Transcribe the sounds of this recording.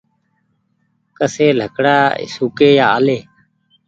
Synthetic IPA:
kəseːl̤ʱəkɽaːɪ̰suːkeːjaːəleː

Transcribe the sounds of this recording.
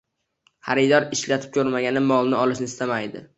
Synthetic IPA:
haɾɪd̪ɒɾɪʃlat̪ʰɪ̥p̚kʲʰɵɾmaɡʲanɪmɒlˠnɪɒlˠɪʃnɪst̪amajd̪ɪ̰

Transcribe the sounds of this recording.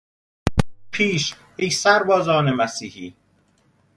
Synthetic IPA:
pʰiːʃ | ejsæɾbɒːzɒːnemæsiːhiː

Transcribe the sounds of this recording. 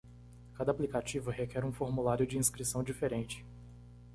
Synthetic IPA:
kad̪ɐaːplikat͡ʃivʊhekɛɾũfoɾmulaɾjʊd͡ʒɪĩskɾisɐ̃w̃d͡ʒifeɾẽnt͡ʃɪ̥

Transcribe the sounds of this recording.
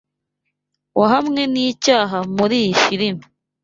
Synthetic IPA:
waɦamŋe̞niːcaːɦamuɾifiɾimi

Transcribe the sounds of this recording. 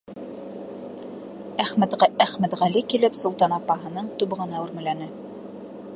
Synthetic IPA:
æχmæt̪æχmæt̪ʁælikilɘpsŏlˠt̪ɑnɑpːɑɦɤ̆nɤɴt̪ub̆ʁɤ̆nɑʉɾmɘ̆lænɘ

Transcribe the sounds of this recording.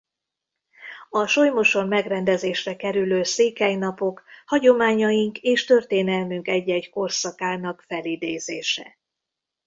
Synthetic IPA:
ɒʃo̞jmo̞ʃo̞mmɛɡrɛnd̪ɛzeːʃrɛkɛɾyløːseːkɛjnɒpo̞khɒɟo̞maːɲɒjiŋkeːʃt̪ø̞rt̪eːnɛlmyŋkɛɟːɛcko̞rsɒkaːnɒkfɛlid̪eːzeːʃɛ̰

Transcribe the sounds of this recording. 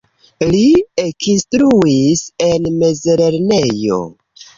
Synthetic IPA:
liekinstɾuise̞nme̞zeɾeɾne̞jo̞̰

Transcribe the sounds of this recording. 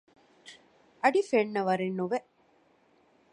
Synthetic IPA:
ɐɖifeɳːɐʋɐɾenːuʋe

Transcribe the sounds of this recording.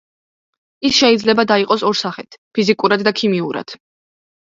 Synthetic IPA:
isʃɛid̪zlɛbad̪aiqʼɔsɔɾsaχɛt̪ʰpʰizikʼuɾad̪d̪akʰimiuɾa̰d̪̥

